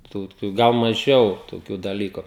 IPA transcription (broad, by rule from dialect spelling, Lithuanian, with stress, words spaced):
tuː ˈtuː ˈɡɐlˠ mɐˈʒʲɛʊ toːˈkʲuː dɐˈlʲiːkʊ